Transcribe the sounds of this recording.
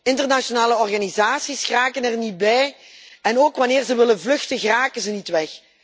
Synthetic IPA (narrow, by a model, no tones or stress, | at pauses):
ɪntərnaʃonaːləɔrɣanizaːsisxraːkənɛrnit̚bɛjɛnoːkʋɑnɪːrzəʋɪlənvlɵxtəɣraːkənzənitʋɛx